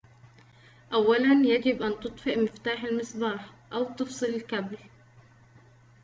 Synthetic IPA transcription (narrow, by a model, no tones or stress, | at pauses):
ʔawːalanjaɡɪbʔant̪ɨt̪ˤfɪʔmɪft̪aːħalmɪsˤbɑːħ | ʔawt̪ɨfsˤɨlɪlkabl